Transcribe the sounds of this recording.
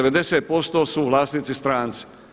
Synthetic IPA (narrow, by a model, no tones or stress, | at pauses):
eʋe̞d̪e̞seːt̪̚po̞st̪o̞suʋlˠaːsniːt̪sist̪ɾaːnt̪si̥